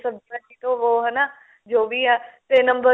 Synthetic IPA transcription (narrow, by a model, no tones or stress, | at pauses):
səbd͡ʒaːt͡ʃiːt̪oːʋoːɦɛːnaː | d͡ʒoːʋiːɛːt̪eːnəmbə